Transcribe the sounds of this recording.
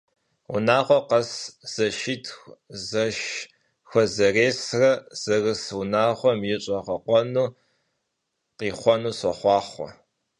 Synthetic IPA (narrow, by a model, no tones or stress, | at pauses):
ʊ̰naːʁʷɔqɐsz̥ɐʃɪtʰxzɐʃ | xʷɔzɐreːsrɐz̥ɐrɨsʊnaːʁʷɔmjɪɕʼɐqɐqʷɔnuː | qiːχʷɔnuːsɐχʷɑːχʷɔ̰